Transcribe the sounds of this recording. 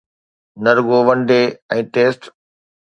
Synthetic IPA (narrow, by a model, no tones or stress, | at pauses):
nɐɾɡoʋɐnɖeɛ̃ːʈeːsʈ